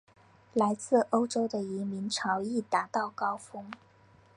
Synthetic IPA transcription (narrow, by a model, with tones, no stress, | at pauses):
la˧˥ɪt͡sɹ̩˥˩˧o˥ʊʈ͡ʂo˥ʊd̪ə˨i˧˥mi˧˥ŋʈ͡ʂʰɑ˧˥ʊi˥˩t̪a˧˥t̪ɑ˥˩ʊkɑ˥ʊfɤ˥ŋ